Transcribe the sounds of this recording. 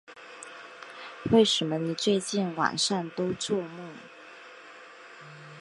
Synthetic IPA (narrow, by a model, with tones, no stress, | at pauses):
we˥˩ɪʂə˧˥mə˦ni˨˩t͡swe˥˧ɪt͡ɕi˥˩nwa̰˨˩nʂa˥˩nt̪o˥ʊt͡swɔ˥˧mu˥˩